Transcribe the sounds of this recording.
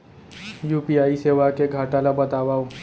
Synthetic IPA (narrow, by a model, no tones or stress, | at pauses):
jupiaiseʋakeɡʱaʈalabət̪aʋau